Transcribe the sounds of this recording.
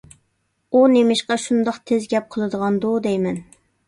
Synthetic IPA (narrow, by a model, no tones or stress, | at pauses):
unemɪʃqɑʃund̪ɑqt̪ʰezɡʲɛp̚qʰəlˠɨd̪əʁɑnd̪ud̪ɛjmɛn